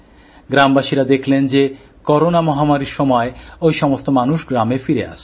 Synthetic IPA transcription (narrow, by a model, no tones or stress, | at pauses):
ɡɾambaʃiɾad̪ekʰlend͡ʑe | kɔɾonamɔɦamaɾiɾʃɔmɔeojʃɔmost̪omanuʃɡɾamefiɾea̰ʃ